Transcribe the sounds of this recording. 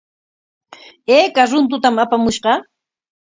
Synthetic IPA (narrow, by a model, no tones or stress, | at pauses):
eːkaɾʊnt̪̬ʊt̪amapamʊʃɢɑ